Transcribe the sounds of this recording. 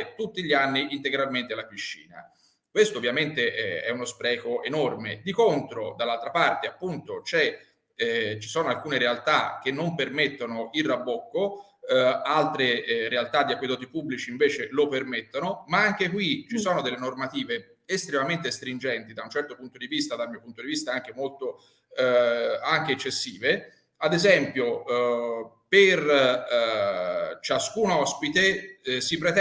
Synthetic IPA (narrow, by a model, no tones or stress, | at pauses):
t̪ut̪ːiʎːianːiint̪eɡɾalment̪ealapiʃːḭːna̰ | kwest̪oːvjament̪eʔɛɛunospɾɛːkoʔenormḛd̪ikont̪ɾod̪alːalt̪ɾapart̪eapːunt̪ot͡ʃɛ | t͡ʃi̥soːnoalkuːneɾealt̪ak̟enːompermet̪ːonoʔilrːabːokːo | alt̪ɾeɾealt̪ad̪iakwid̪ɔːt̪ipubːlit͡ʃiːɱveːt͡ʃelopermet̪ːonomaaŋk̟ekwit͡ʃisoːnod̪elːenormat̪iːveː | st̪ɾemament̪est̪ɾind͡ʒɛnt̪id̪aunt͡ʃɛrt̪opunt̪od̪ivist̪ad̪almiːopunt̪od̪ivist̪aaŋk̟emolt̪o | aŋk̟eːt͡ʃːesːiːve | ad̪ezɛmpjo | per | t͡ʃaskuːnɔspit̪esipɾet̪